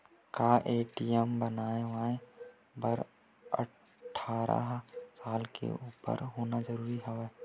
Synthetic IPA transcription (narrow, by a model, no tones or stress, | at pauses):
kaːʔeːʈijəmbənaːẽʋaːẽ | bəɾ | ə̰ | ʈʰːaːɾa̰ɦsaːlkḛuːpə̰ɾɦoːnazəɾuːɾiɦəʋeː